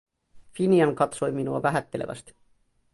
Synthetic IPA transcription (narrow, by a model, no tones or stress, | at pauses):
finiɑŋkɑt̪so̞jminuɑ̰ʋæɦæt̪ːe̞leʋʔæ̰st̪i̥